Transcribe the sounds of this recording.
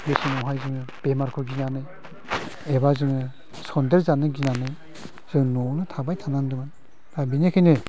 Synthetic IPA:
mesɯnɔɦajzɯŋɯb̥emaɾkʰɔɾɡinanɯj | ebazɯŋɯ | sɔndeɾzanɯɡinanɯj | z̥ɯŋnɔnɯtʰabajtʰanandɯman | ɾabinekʰɯjnɯ

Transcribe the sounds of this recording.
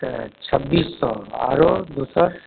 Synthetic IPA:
t͡ʃʰəbːiːsːɔa̰ɾod̪usəɾ

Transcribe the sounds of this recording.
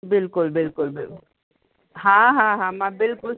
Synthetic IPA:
bɪlkʊlbɪlkʊlbɪl | ɦãɦãɦãmãbɪlkʊl

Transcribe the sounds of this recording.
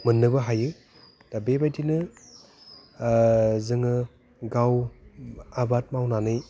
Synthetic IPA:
mɯnːɯbɐɦajɯ | dabebajtinɯ | zɯŋɯ | ɡaw | abat̚mawnanɯj

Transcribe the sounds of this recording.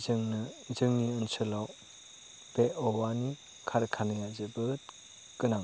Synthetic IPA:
zɯŋnɯzɯŋniənsɯlaw | b̥eʔowani | kʰaɾkʰanɯjazɯbɯ | kɯnaŋ

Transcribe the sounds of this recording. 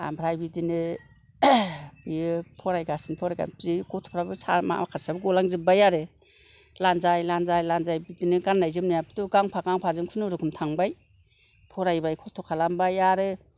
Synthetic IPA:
a̰mbɾajbidinɯ | bijɯpʰɔɾajɡasinpʰɔɾaja̰pʰziɡɔtʰpʰɾabɯsa̰ma̰akʰaɾsabɯɡɔlaŋzɯbajaɾɯ | lanzajlanzajlanzajbidinɯɡanːajzɯmnajapʰtuɡaŋpʰaɡaŋpʰazɯŋkʰunɯɾɯkʰɯmtʰaŋbaj | pʰɔɾajbajkʰɔstʰɔkʰalambajaɾɯ

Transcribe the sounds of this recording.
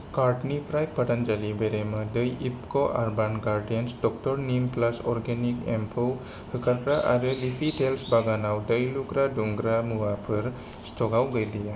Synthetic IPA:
kaɾʈnipɾajpːaʈand͡ʒalibeɾemɯdəjipkɔʔaɾbanɡaɾɖijənsdɔk̚tɔɾnimplasɔɾɡenikempʰow | hɯkaɾkɾaʔa̰ɾɯlipʰiʈelsbaɡanawdəjluɡɾaduŋɡɾamuwapʰɯɾ | stʰɔɡawɡəjlija

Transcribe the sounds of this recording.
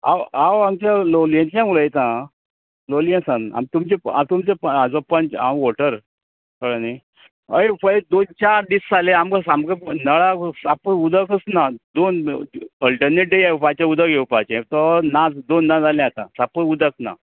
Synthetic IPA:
a̰wawamt͡ɕaloljə̃nsãmuləjet̪ã | lolijə̃nsana̰mt̪umt͡ɕea̰mt̪umt͡ɕepəad͡zɔpənt͡ɕa̰mʋoʈəɾ | kəɽəni | əefəed̪ont͡ɕaɾɖisːalẽamkəsamkənəɭasapəud̪əkəsnad̪onəlʈəɾneʈ̚ɖejaupat͡ɕãud̪əɡʱewpat͡ɕẽt̪ɔnad͡zd̪onːad͡zalɛ̃at̪ã̰sapəud̪ək̚na̰

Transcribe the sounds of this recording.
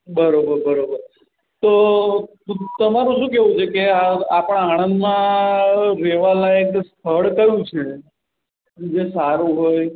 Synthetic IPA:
bəɾobəɾbəɾobəɾ | t̪ot̪ũt̪əmaɾũʃũkeɦũt͡ʃʰekeaapəɽ̃aaɽ̃ənd̪mã | ɾeʋalaekst̪ʰəɽk̪əjũt͡ʃʰe | d͡ʒesaɾũɦoj

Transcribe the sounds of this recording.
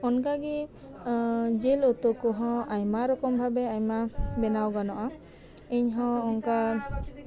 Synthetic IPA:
ɔnkaɡi | d͡ʒelot̪ɔkɔɦɔ̃ajmaɾɔkɔmbʱabɛajmabɛnawɡanɔʔa | eɲɦɔ̃ɔŋka

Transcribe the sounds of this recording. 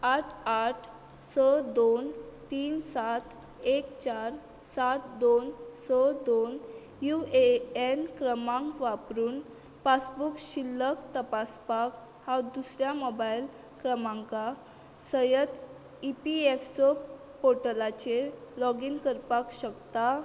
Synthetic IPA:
aʈʰaʈʰ | səd̪ont̪iːnsat̪ | ekt͡ɕaɾ | sat̪d̪onsəd̪on | jueenkɾəmãŋkʋapɾuːn | pasbukɕilːəkt̪əpaspak | had̪usɾjamɔbail | kɾəmãŋka | səjət̪ | ipiefsɔ | poʈəlat͡ɕelɔɡinkəɾpakɕəkt̪a

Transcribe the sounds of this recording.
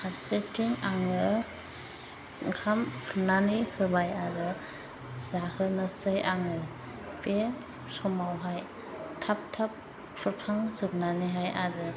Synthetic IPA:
haɾsetiŋaŋɯ | kʰampʰɯnanihɯbajaɾɯ | zahʰɯnɯsɯjaŋɯ | pe | sɔmawɦaj | tʰap̚tʰap̚ | kʰɾɔtʰaŋzɯk̚naniɦajaɾɯ

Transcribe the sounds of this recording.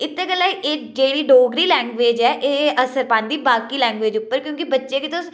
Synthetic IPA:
ɪt̪ːeːɡəlːaːiʔeːk̚d͡ʒeːɽiːɖoːɡɾiːlɛ̃ːŋɡʋeːd͡ʒɛːʔeːəsəɾpãːnd̪iːbaːkiːlɛ̃ːŋɡʋeːd͡ʒʊpːəɾkjõːkibətːʃeket̪os

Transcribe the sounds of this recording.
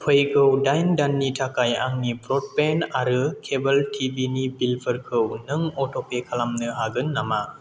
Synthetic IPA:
pʰɯjɡʰɯwdajndanːitʰakaja̰ŋnibʰɾɔt̚penaɾɯkʰebəltʰibinibilpʰəɾkʰɯwnɯŋɔtopekʰalamnɯɦaɡɯnːama

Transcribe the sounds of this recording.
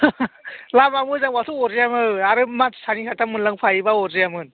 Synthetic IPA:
lamamɯzaŋwatʰuɔzijamɯaɾɯmatsanikʰatʰamɯnlaŋpʰajibaɔzɯjamɯn

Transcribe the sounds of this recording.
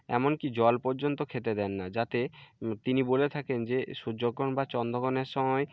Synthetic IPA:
ɛ̰monkid͡ʑɔlpɔɾd͡ʑont̪okʰet̪ed̪ɛnːad͡ʑat̪et̪inibolet̪ʰakend͡ʑeʃud͡ʑoɡːɔnbat͡ɕɔnd̪oɡɔneɾʃɔmɔe

